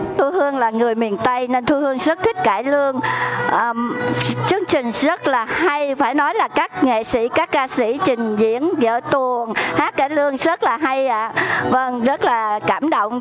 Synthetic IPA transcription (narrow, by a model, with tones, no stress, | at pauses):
t̪ʰu˧hɨ˧əŋlaː˨˩ŋɨ˨˩əjmi˨˩ənt̪ə˧jne˧nt̪ʰu˧hɨ˧əŋzə˦˥t̚t̪ʰï˦˥k̟̚kaː˧˩jlɨ˧əŋʔəː˨˩t͡ɕɨ˧əŋt͡ɕï˨˩ŋ̟zə˦˥t̚laː˨˩ha˧jfaː˧˩jnɔ˨˦jlaː˨˩kaː˦˥k̚ŋḛ˧˨sḭ˧˥kaː˦˥kːaː˧sḭ˧˩t͡ɕï˨˩ŋ̟zḭ˧˥ənzə̰ː˧˨t̪u˨˩əŋhaː˦˥t̚kaː˧˩jlɨ˧əŋzə˦˥t̚laː˨˩ɦa˧jʔaː˧˩və˧ŋzə˦˥t̚laː˨˩kaː˧˩mɗo̰˧˨wŋ͡m